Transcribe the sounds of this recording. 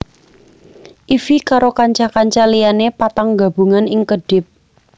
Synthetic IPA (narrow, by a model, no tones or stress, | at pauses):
ʔifikaɾokaɲt͡ʃakaɲt͡ʃalijanepat̪aŋɡa̤b̥uŋanɪŋkəɖ̥ɪp̚